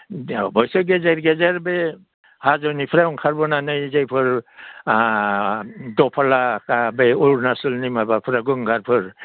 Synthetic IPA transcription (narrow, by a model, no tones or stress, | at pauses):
bɔjsɔɡezeɾɡezaɾbe | hazɔnipʰɾauŋkʰaɾbɔnanɯjzajpʰɯɾ | dɔpʰalakabeuɾnasulnimabapʰɾaɡɯŋɡʱaɾpʰɯɾ